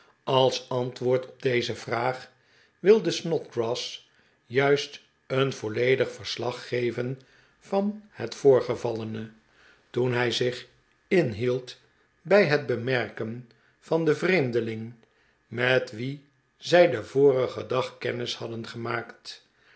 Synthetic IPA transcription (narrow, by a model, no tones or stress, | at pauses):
ɑlˠsɑntʋʊːɹtʰɔb̚dejzəv̥raːχ | ʋɪlˠdəsnɔtɡrɔs | jœɥst | ənv̥olejdəχfəɹslɑχːejvən | vɑnhətfʊːɹχəvɑlənə | tunɦɛjzɪχ | ɪnɦilˠt | bɛjɦəd̚bəmɛɹkən | v̥ɑndəvrejmdəlɪŋ | mɛtʋi | zɛjdəvoːrəχədɑχkɛnɪshɑdənχəmaːkt